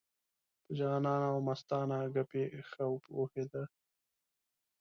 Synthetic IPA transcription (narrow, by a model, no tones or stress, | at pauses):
pəd͡ʒɑːnɑːnawmast̪ɑːnaɡapexawpohed̪a